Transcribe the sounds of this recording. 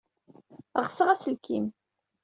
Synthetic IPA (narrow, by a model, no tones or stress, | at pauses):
ʁsəʁæsəlkim